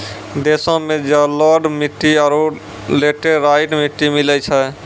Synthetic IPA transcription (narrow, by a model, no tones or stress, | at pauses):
d̪eːsõmẽd͡ʒalɔɖmiʈːiaɾo | leːʈeɾaːɪʈmɪʈːimilət͡ʃʰɛ